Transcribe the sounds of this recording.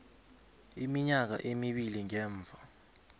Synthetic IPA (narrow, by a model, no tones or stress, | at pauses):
imiɲak̬a̰ʔemiɓiliŋɛːɱb̪vʱa